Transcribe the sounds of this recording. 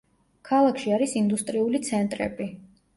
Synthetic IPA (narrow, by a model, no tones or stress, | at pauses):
kʰalˠakʰʃiaɾisind̪ust̪ʼɾiulit̪sʰɛnt̪ʼɾɛ̰bi